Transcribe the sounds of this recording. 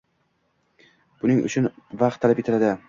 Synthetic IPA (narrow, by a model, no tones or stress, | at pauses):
b̥ʊnɪŋʊ̰t͡ʃʰʊnvaq̚t̪ʰːalapet̪ɪlad̪ɪ